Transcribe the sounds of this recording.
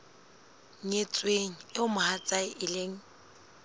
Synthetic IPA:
ɲet͡sʼweŋ̩ɪʊmʊhat͡sʼaɪʔɪleŋ̩

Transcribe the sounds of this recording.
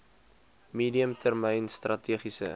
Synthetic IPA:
miːdiəmtʰərmɛjnstrʔɐtʰiəχisə̰

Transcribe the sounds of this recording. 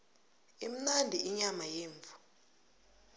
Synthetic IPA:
im̩nandʱiʔiɲamajeːɱvʱu̥

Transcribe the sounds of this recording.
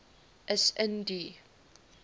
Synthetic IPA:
ʔɛsɛ̃ndi

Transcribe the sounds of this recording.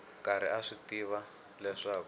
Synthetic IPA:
kaɾ̤ḭaʂitiβa | lɛʂaːku

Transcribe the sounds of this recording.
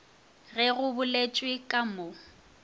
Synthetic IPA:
ɣɛɣʊbʊlet͡ʃʼwɪkʼamo

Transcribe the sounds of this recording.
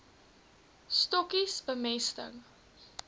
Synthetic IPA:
stɔkisbəmɛstə̰ŋ

